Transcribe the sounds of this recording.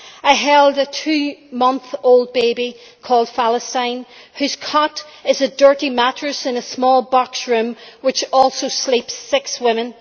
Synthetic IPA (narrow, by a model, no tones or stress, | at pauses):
aɪɦɛlˠdətʰʉːmʌ̃nθoʊlˠd̚beɪbi | kʰɔlˠd̥falˠəstãɪ̃n | hʉz̥kʰʌɾ | ɪzədɜ˞ɾimat͡ʃɹ̥ɨsɪ̃nəsmɔlˠbɑksɹʉ̃mwɪt͡ʃɔlˠsoslipsːɪkswɪ̃mɨ̃n